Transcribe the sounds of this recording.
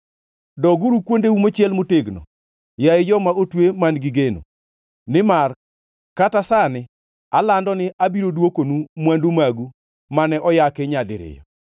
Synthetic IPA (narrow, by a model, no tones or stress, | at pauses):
dɔɡuɾukwondeumot͡ʃjɛlmoteɡnɔ̰ | jaɪd͡ʒɔmaotwemanɡɪɡeno̰ | nɪmar | katasanɪ | alandɔnɪʔabiɾodwokonumwandumaɡu | manɛʔɔjakeɲadɪ̰ɾɪ̰jɔ̰